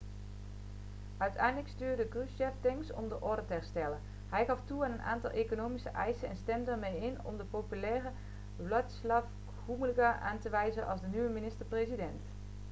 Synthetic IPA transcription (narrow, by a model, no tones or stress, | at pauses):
ʔœɥtʰɛ̰jndələkstyːɹdəkryʃɛftɛŋksɔ̰mdəʔɔɹdətəɦɛɹstɛlə | ɦɛjɣɑftuaːnənʔa̰ːntɑlˠʔekonowmisə̰ʔɛjsənɛnstɛmdəəɹmejɪnɔ̰mdəpopylɛːrə | ʋlɔtslaf | χuməlɡaʔa̰ːntəʋɛjzənʔɑlˠzdənyʋəminɪstəɹprejzidɛnt